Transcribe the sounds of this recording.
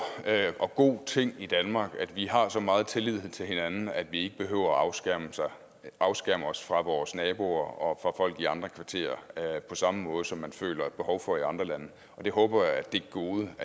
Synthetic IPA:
ɒ̽ɡ̥o̝̰ːt͡sʰe̝ŋ̰id̥ænmɑ̈ːɡ̥æd̥ʋiɦɑ̈sɒ̽mɑ̈ːð̞̩ˠt͡sʰe̝lið̰ˠet͡sʰe̝lhe̝nænn̩æd̥ʋie̝ɡ̥əb̥e̝ɦø̰ːʊ̰ɐ̥m | ɑ̈ʊsɡ̥æɐmɒ̽sfʁɑ̈ʋɒːsnɛːb̥o̝̰ɐɒ̽fʁɑ̈fɒ̽l̰ɡ̥iɑ̈nd̥ʁɐkʰʋɑ̈t͡sʰe̝̰ːɐpʰɒ̽sɑ̈məmɔ̽ːð̞̩ˠsɒ̽mːænfø̰ːlɐb̥e̝hɒʊfɒ̽iɑ̈nd̥ʁɐlænə | ɒ̽d̥e̝ɦɔ̽ːb̥ɐjaæd̥e̝ɡ̥ɡ̥o̝ːðˠə

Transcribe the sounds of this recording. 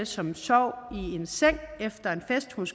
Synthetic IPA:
əsɒ̽msɒʊ̰ie̝nseŋ̰efd̥ɐe̝nfesd̥huns

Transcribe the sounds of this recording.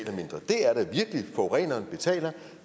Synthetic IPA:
lɐme̝nd̥ʁɐd̥e̝æɐɾ̥æʋiɐɡ̥əlifɒʁɛ̰ːnɐːnb̥e̝t͡sʰɛ̰ːlɐ

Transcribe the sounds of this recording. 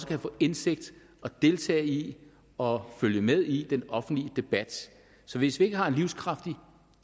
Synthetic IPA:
səkʰæfɔːense̝ɡ̥̚d̥ | ɒ̽d̥e̝lt͡sʰɛ̰ːi | ɒ̽føljəmeð̞ˠid̥enɒ̽fn̩d̥lid̥e̝b̥æd̥ | sɒ̽ʋe̝sʋie̝ɡ̥əhɑ̈e̝nliʊskʰʁɑ̈fd̥i

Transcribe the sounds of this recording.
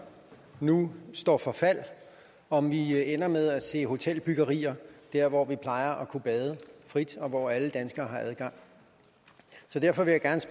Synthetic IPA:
nusd̥ɒ̰ːfɒ̽fæl̰ | ɒ̽mʋienɐmeð̞ˠæse̝̰ːɦo̝t͡sʰel̰b̥yɡ̥ɐʁḭːɐd̥æɐʋɒʋipʰlɑ̈ɪɐʔɒkʰub̥ɛːð̞ˠəfʁid̥ɒ̽ʋɒæləd̥ænsɡ̥ɐːhɑ̈ʔæðˠɡ̥ɑ̈ŋ̰ | sɒ̽d̥æɐfɒ̽ʋe̝jaɡ̥æɐns

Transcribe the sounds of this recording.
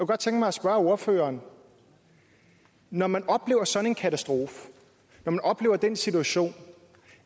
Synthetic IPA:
kɡ̥ɒd̥̚t͡sʰeŋɡ̥əmɑ̈ɪɒsb̥ɶɐo̝ɐfø̰ːɐːn | nɒmænʔɒ̽b̥le̝̰ːʊɐsɒ̥̽n̩e̝nkʰæt͡sʰæsd̥ʁo̝ːf | nɒmænɒ̽b̥le̝ːʊɐd̥ensit͡sʰuæɕo̝̰ːn

